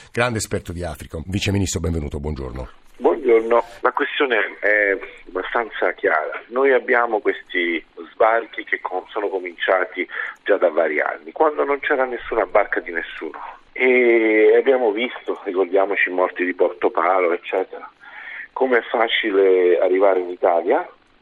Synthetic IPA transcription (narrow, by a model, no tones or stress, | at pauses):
ɡ̥ɾand̪eːspɛrt̪od̪iaːfɾikoviːt͡ʃeminist̪ɾobɛɱvenuːt̪obwɔnd͡ʒo̰rno̰ | bwɔnd͡ʒornolakwest̪joːneɛabast̪ant̪sak̟ja̰ːɾanojabːjaːmokwest̪izbark̟ik̟esɔːnokomint͡ʃaːt̪id͡ʒad̪avːaːɾia̰nːikwand̪onont͡ʃɛːɾanesːuːnabarkad̪inesːuːno | eabːjaːmovist̪oɾikord̪jaːmot͡ʃimɔrt̪id̪iport̪opaːloet͡ʃːɛːt̪eɾakomeɛfːaːt͡ʃilea̰rːivaːɾeinit̪aːlja